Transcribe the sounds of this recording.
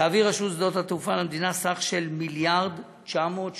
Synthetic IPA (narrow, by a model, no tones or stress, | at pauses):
aːviʁaʃusd̪ot̪hat̪ufalamd̪inasaχʃe̞lmiljaʁd̪ | t͡ʃamo̞t̪